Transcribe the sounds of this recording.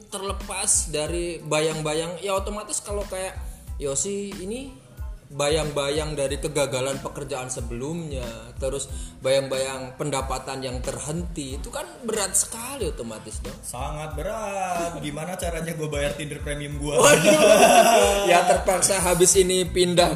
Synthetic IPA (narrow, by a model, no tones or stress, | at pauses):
t̪ərləpasdaɾibajaŋbajaŋjaot̪omat̪ɪskalokajaʔjosɪhini | bajaŋbajaŋdaɾikəɡaɡalanpəkərd͡ʒaːnsəbəlʊmɲat̪əɾʊsbajaŋbajaŋpəndapat̪anjaŋt̪ərɦənt̪iːt̪ukanbəɾat̪̚sə̥kaliot̪omat̪ɪsdɔhsaŋat̪̚bəɾat̪̚ɡimanat͡ʃaɾaɲaɡuabajart̪indərpɾemiəmɡuaa | jat̪ərpaksaɦabɪsinipindah